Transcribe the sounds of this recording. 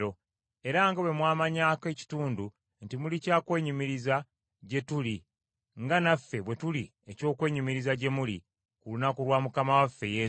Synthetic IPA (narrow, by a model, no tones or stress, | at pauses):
o̞ | e̞ɾaŋɡawe̞mwaːmaɲaːke̞ːci̥tuːndu | ntimulicaːkwe̞ːɲimiɾiza | ɟe̞tuli | ŋɡanafːe̞βwe̞tuli | e̞co̞ːkwe̞ːɲimiɾizaɟe̞muli | kulunakulwaːmukamawafːe̞je̞ː